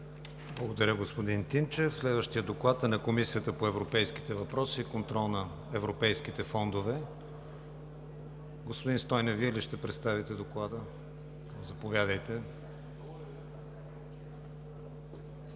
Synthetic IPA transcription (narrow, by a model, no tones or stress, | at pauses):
blˠəɡod̪ɐɾʲəɡospod̪int̪int͡ʃɛfslɛd̪vəʃt̪ijəd̪oklˠat̪nɐkomisijət̪əpoɛvɾopɛjski̥t̪ɛvɐpɾɔsiːkont̪ɾɔlˠnɐ | ɛvɾopɛjsk̟it̪ɛfɔnd̪ovɛ | ɡospʊd̪inst̪ɔjnɛviɛliʃt̪ɛpɾɛt̪st̪avit̪ɛd̪oklˠad̪ə | kmzɐpovʲjad̪əjt̪ɛ